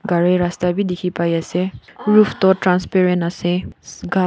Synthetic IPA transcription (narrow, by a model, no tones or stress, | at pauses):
ɡaɾeɾastabidikʰipajaseɹupʰt̪ɔtɾanspeɾenaseɡa